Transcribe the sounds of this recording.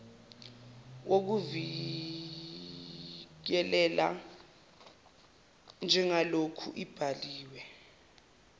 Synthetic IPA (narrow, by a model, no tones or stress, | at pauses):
wok̬uvi | k̬ɛlɛla̰ | nd͡ʒʱɛŋalokʰṵʔib̥ʱaliːwɛ